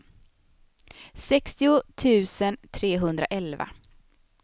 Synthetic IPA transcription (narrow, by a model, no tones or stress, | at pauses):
sɛkst̪ɪʊt̪ʰʉ̟ːsənt̪ʰɾeːɦɵnd̪ɾa̰ʔɛlva̰